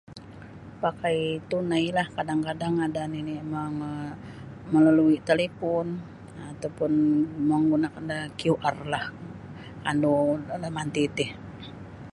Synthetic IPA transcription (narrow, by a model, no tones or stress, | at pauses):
pakait̪unailahkadaŋkadaŋadaniniemaŋ | məlaluit̪alepɔn | at̪awpʊnmaŋɡunakandakiuʔarlah | andolamant̪it̪ih